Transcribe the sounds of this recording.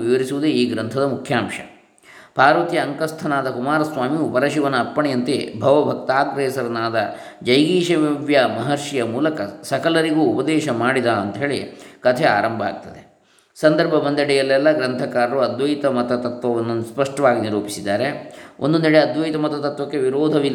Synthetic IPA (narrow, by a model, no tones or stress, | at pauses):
ʋiʋɐɾisuʋud̪eiːɡɾɐnt̪ʰɐd̪ɐmukʰjaːmʃɐ̥ | paːɾʋɐt̪jɐːŋkɐst̪ʰɐnaːd̪ɐkumaːɾɐsʋaːmiupɐɾɐʃiʋɐnɐɐpːɐɳijɐnt̪ḛbʱɐʋɐbʱɐk̚t̪aːɡ̪ɾɛːsɐɾɐnaːd̪ɐd͡ʒɐjɡiːʃɐʋiʋjɐmɐɦɐɾʂijɐmuːlɐkɐsɐkɐlɐɾiɡuːupɐd̪ɛːʃɐmaːɽid̪aːɐnt̪ɐɦe̞ːɭḭkɐt̪ʰɛa̰ːɾɐmbʱɐa̰ːɡ̚t̪ɐd̪e | sɐnd̪ɐɾbʱɐbɐnd̪ɐɽɛjɐlːɛlːɐɡɾɐnt̪ʰɐkaːɾɐɾuɐd̪ʋɐjt̪ɐmɐt̪ɐt̪ɐt̪ʋɐʋɐnːuspɐʂʈɐʋaːɡiniɾuːpisid̪ːaːɾeond̪uniɽeɐd̪ʋɐjt̪ɐmɐt̪ɐt̪ɐt̪ʋɐkːeʋiɾoːd̪ʱɐʋi